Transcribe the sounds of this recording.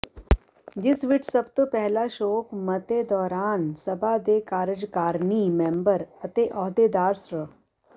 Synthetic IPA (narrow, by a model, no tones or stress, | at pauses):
d͡ʒɪsʋɪʈʰsɐbt̪opɛɦlaʃoːkmɐt̪ed̪ɔːɾaːnsɐbʱad̪eːkaːɾɪd͡ʒkaːɾnimẽːmbəɾɐt̪eʔɔːd̪ed̪aːɾsɾə